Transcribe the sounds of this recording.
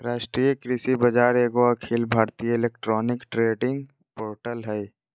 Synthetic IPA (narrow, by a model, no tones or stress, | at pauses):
ɾaːʃʈɾijəkɾisibɐd͡ʒaːɾeːɡoakʰelbʱaːɾt̪ijəɪleːk̚ʈɾɔːnɪkʈɾeːɖɪ̃ŋɡ | poːɾʈəlɦɛ